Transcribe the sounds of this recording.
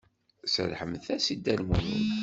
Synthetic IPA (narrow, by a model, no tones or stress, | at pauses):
sə̰lħəmθæsid̪ːælmunə̰n